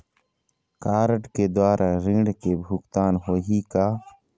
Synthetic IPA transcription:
kaːɾəʈked̪waːɾʔaɾĩːɳɖkebʱukt̪aːnɦoːɦikaː

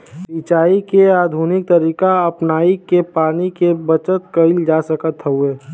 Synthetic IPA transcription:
bit͡ʃaːikeaːd̪ʱunɪk̚t̪əɾiːkaəpnaːikepaːnikebət͡ʃət̪kəɪld͡ʒasəkət̪ɦəueː

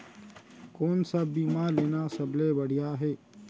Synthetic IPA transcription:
koːnsabiːmaleːnasɐblebəɽ̤ijaɦɛː

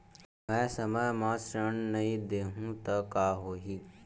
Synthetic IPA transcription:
mɛ̃ːsɐməjmãːsɾəɳnɐɦĩd̪eːɦũt̪ɐkaːɦoːɦiː

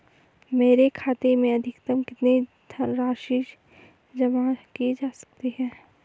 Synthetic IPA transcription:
meːɾekʰaːt̪emẽɐd̪ʱɪkt̪əmkɪt̪net̪ʰɾaːʃɪʃ | d͡ʒɐmakied͡ʒaːsɐ̥k̚t̪iɦɛ̃ː

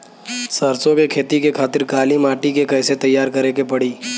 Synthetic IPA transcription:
sɐɾsõkekʰeːt̪ikekʰaːt̪ɪɾkaːlimaːʈikekɛːset̪ɐjːaːɾkɐɾekepɐɽiː

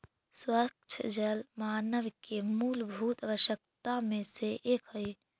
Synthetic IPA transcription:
swət͡ʃʰd͡ʒəlmaːnəʋkemuːlbʱuːt̪abəʃjək̚t̪amẽseʔːkɦəj

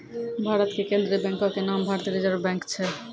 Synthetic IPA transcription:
bʱaɾot̪kekend̪ɾebɛŋkokenambʱaɾt̪eɾed͡ʑaɾobɛŋkt͡ɕʰe

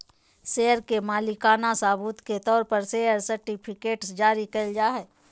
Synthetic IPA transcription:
seːəɾkemaːlɪkaːnasaːbuːt̪ket̪ɔːɾpəɾseːəɾsɐɾʈɪpʰɪkeːʈsd͡ʒaːɾikɐld͡ʒaːɦɛː

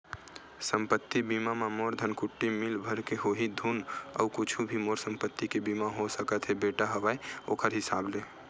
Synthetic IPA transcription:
səmpət̪ːibimamamoɾd̪ʱənkuʈːimilbʱəɾkeɦoɦid̪ʱunə̰ukut͡ʃʰubʱimoɾsəmpət̪ːikebimaɦosəkət̪ɦebeʈaɦəbaeokəɾɦɪsable

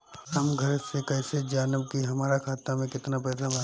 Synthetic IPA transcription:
hɐmɡʱɐɾsekɛːsed͡ʒaːnəbkiɦɐmaːɾakʰaːt̪amẽkɪt̪napɛːsabɐ

